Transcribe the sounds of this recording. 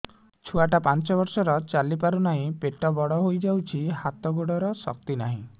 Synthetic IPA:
t͡ʃʰuaʈapant͡ʃɔbɔɾsɔɾɔt͡ʃalipaɾunaɦĩpeʈɔbɔɽɔɦojd͡ʒawt͡ʃʰihat̪ɔɡoɽɔɾɔsɔ̰k̚t̪inaɦḭ̃

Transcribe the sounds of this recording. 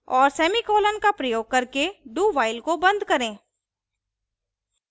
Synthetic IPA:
ɔːɾsɛːmikoːlənkapɾɐjoːɡ̚kɐɾkeɖuːʋaːɪlkobɐ̃nd̪ʱkɐɾẽː

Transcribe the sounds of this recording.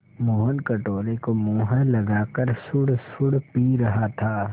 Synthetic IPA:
moːɦənkɐʈoːlekomõːɦəlɐɡaːkəɾsʊɽsʊɽpiːɾɐɦat̪ʰaː

